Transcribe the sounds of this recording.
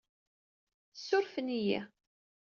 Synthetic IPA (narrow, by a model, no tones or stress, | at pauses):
sːʊɾfənijæ̰